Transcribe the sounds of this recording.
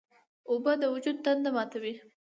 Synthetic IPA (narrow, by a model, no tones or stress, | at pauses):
obəd̪əwʊd͡ʒud̪̚t̪and̪amɑt̪awi